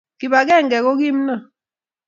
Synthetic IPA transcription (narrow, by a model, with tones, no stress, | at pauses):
ki˨ba˨kɛ˦˨ŋɡɛ˨kɔ˦ki˦m̩˦na˦˨